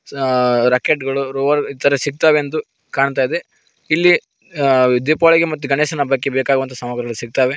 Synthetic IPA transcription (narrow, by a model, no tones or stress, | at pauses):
ɾɐkeʈɡɐɭuɾoːʋɐɾit̪ɐɾɐsiɡ̚t̪aːʋeɐnd̪u | kaːɳt̪aːid̪e̞ | ilːi | d̪ipaːɭiɡemɐt̪ːuɡɐɳeːsɐnɐbɐkːebeːkaːɡuʋɐnt̪ʰɐsɐmaːɡɐɾɐɡɐlusiɡ̚t̪aːʋe